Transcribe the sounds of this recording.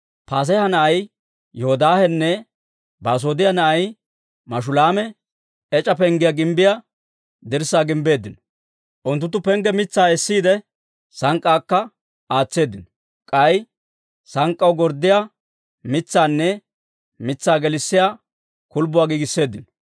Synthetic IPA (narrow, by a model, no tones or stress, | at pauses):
paːs̬ɐjhɐnɐʔɐj | jɔhɔd̪aːhɛnːɛ | baːs̬o̞ːd̪ɪjanɐʔɐj | mɐʃ̬ʊlaːmɛ | ɛt͡ʃʼɐpɛŋɡɪjaɡɪmbɪja | d̪ɪɾsːaːɡɪmbe̞ːd̪ːɪnɔ | ʔʊnt̪ːʊt̪ːʊpɛŋɡɛmɪt͡sːaːɛsːiːd̪ɛ | sɐŋkʼːaːkːɐ | aːt͡sːe̞ːd̪ːɪnɔ | kʼɐj | sɐŋkʼːɐwɡɔɾd̪ːɪja | mɪt͡sːaːnːɛ | mɪt͡sːaːɡɛlɪsːɪjaː | kʊlbʊwaːɡiːɡɪsːe̞ːd̪ːɪnɔ̥